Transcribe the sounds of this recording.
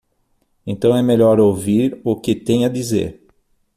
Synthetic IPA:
ẽnt̪ɐ̃w̃ɛmeʎɔɾowviɾʊkɪt̪ẽj̃ɐd̪izḛɾ

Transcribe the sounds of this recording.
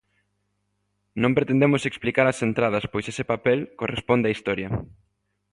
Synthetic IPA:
nõmpɾet̪end̪emʊseksplikaɾɐsent̪ɾað̞ɐspojsesepapɛlkorespond̪eaist̪ɔɾjɐ

